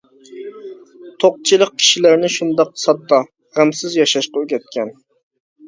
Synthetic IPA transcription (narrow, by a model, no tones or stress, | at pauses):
t̪ʰoq̚t͡ʃʰilˠəq̚kʲʰi̥ʃilæɾnɪʃund̪ɑqsɑt̪ːɑ | ʁæmsɪzjɑʃɑʃqɑøɡʲɛt̪̚kʲɛn